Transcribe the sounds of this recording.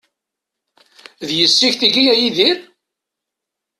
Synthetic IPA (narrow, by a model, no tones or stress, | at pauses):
ðjəsːiçθiɡijæjiðiɾ